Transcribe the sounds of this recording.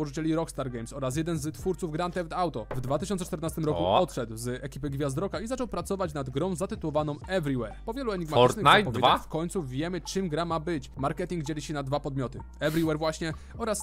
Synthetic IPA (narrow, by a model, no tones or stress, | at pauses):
ɔʐɘt͡ɕɛlʲiɾɔkst̪aɾɡɛjmsɔɾas̬jɛd̪ɛnzt̪fuɾt̪suvɡɾant̪ɛvd̪awt̪ɔvd̪vat̪ɪɕɔnsɛt͡ʂt̪ɛɾnast̪ɘmɾɔkuɔt̪ʂɛd̪wzɛkʲipɘɡvʲjazd̪ɾɔkaizat͡ʂɔwpɾat̪sɔvat͡ɕnad̪ɡɾɔ̃w̃zat̪ɘt̪uwɔvanɔ̃w̃ɛvɾʲiwɛɾpɔvʲjɛluɛɲiɡmaɔnnapɔvjeafkɔɲt̪suvʲjɛmɘt͡ʂɘmɡɾamabɘt͡ɕmaɾkɛt̪ʲiŋɡd͡ʑelʲiɕɛnad̪vapɔd̪mʲjɔt̪ɘ | ɛvɾiwɛɾvwaɕɲɛ | ɔɾas